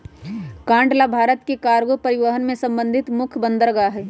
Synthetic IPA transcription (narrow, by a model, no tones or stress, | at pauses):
kãːɳɖlabʱaːɾət̪kekaːɾɡopɐɾɪʋəɦənmẽsɐ̃mbə̃nd̪ʱɪt̪mʊkʰbə̃nd̪əɾɡaɦɛː